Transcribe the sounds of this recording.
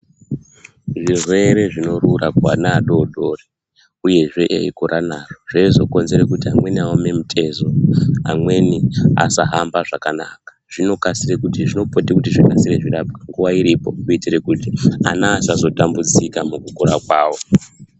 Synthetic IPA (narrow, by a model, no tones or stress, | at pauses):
ʐirwe̞ɾe̞ʐino̞rurakwanaːɗo̞ɗo̞re | uje̞ʐe̞ʔḛikoɾʔanaroʐaizo̞ko̞nze̞ɾekutiamwe̞niaome̞mutʰe̞zo̞amwe̞nia̰saɦambaʐakanaːkḁʐ̥ino̞kasirekutiʐino̞po̞tekutiʐikasireʐirap̚ɡaŋɡuʋaiɾipo̞̰kuitirekutia̰naːsazo̞tambud͡zikamukukoɾakwaːwo̞